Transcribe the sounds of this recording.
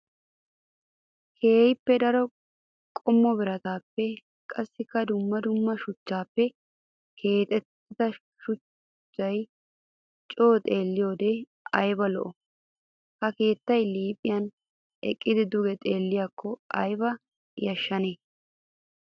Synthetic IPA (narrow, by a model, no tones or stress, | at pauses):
kʰe̞ːjpːɛd̪ɐɾɔ | kʼɔmːɔbɪɾɐt̪aːpːɛ | kʼɐsːɪkːɐd̪ʊmːɐd̪ʊmːɐʃʊt͡ʃːaːpːɛ | kʰe̞ːt̪ʼɛt̪ːɪd̪ɐ | ʃʊ | t͡ʃːɐj | t͡ʃʼo̞ːt̪ʼe̞ːlːɪjo̞ːd̪e | ɐjbɐlɔ̰ʔɔ | hɐke̞ːt̪ːɐjliːpʼɪjɐn | ɛ̰kʼːɪd̪ɪd̪ʊɡɛt̪ʼe̞ːlːɪjakʰːɔʔɐ̰jbɐ | jɐʃːɐne